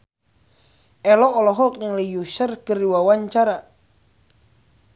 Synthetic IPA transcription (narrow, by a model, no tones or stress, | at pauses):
ʔɛlɔːlɔɦɔk̚ɲaŋlɛjusərkəɾiwawaɲt͡ʃaɾa